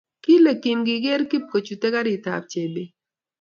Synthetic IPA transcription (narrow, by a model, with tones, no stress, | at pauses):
ki˦lɛ˨ki˨mɡi˨ɡe˦ɾki˦p̚ko˨t͡ʃu˨tɛ˦ka˦ɾi˨ta̰˨p̚t͡ʃe˨be˦